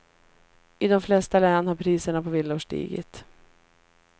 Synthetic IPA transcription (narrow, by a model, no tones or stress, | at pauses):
ʔɪd̪ɔmflɛst̪alɛːnhaɾpʰɾiːsəɳapʰɔvɪlːuʂʈḭːɡɪ̰t̪